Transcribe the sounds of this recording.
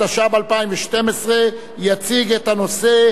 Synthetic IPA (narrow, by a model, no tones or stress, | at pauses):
aʃabalpaimveʃte̞mesʁe̞ | jat͡siɡet̪ano̞se̞